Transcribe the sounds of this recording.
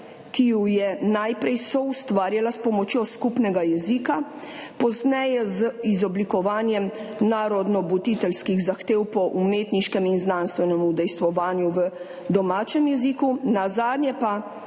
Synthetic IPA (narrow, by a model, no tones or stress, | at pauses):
kijujɛnajpɾɛjsɔust̪ʋaːɾjalaspɔmɔt͡ʃjɔskupnɛɡajɛzikapɔznɛjɛzizɔblikɔʋaːnjɛmnaːɾɔd̪nɔbut̪it̪ɛlskiɣzaxt̪eːwpɔʔumeːt̪niʃkɛminznanst̪ʋɛnɛmud̪ɛjst̪ʋɔʋaːnjuʋə | d̪ɔmaːt͡ʃɛmjɛzikunazaːd̪nʲjɛpa